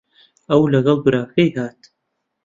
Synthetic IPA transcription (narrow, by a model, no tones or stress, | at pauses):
ɐwlɐɣɐlˠɡɾaːfejhaːt̪